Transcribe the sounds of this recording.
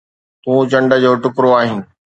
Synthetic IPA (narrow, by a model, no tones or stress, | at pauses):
t̪ũːt͡ɕɐ̃ɳɖə̆d͡ʑoːʈʊkɾoaːɦɪnɪ̆